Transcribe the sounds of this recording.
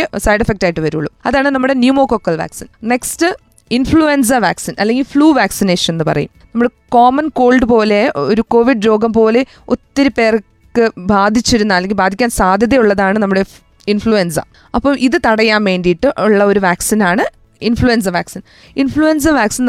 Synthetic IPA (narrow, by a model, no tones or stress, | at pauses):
sɐjɖɐfek̚taːjʈːɨʋɐɾuɭːumɐðaːɳɨnɐmːuɽe̞njumoːkokːɐlʋa̰ːksinne̞kstɨ | infɭuens̬ɐʋaːksinɐlːe̞ŋɡilfɭuːʋaːksineːʂɐnenːɨpɐ̰rɐ̰jumnɐmuɽeko̞ːmɐnko̞ːɭɖɨpo̞ːle̞oɾuko̞ːʋiɖɾo̞ːɡɐmpo̞ːle̞ | o̞t̪ːiɾupe̞ːr | kːɨbaːd̪ʱit͡ɕːiɾunːaɐlːeŋɡilbaːd̪ʱikʲːaːnsaːd̪ʱjɐðɐjuɭːɐðaːɳɨnɐmːuɽe̞ | infɭuensɐ̰ | ɐpːoːmʔiðɨt̪ɐɽɐjaːmʋe̞ːndijiʈːɨʔuɭːɐo̞ɾuʋaːksinaːɳɨ | infɭuens̬ɐʋaːksin | infɭuens̬ɐʋaːksin